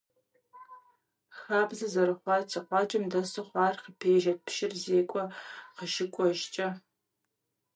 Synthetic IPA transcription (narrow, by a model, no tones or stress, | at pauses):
xaːbzɨzɐɾɨχʷɑːtʰɐqʷɑːt͡ʃʼɐmdɐsɨχʷɑːrqəpʰeːʒɐt̚pʃɪrzeːkʷʼɔqəʃɪkʷʼɔʒt͡ʃʼɐ